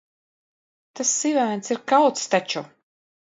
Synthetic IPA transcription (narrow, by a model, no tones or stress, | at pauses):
t̪asːivæːnsiɾkawt̪st̪at͡ʃu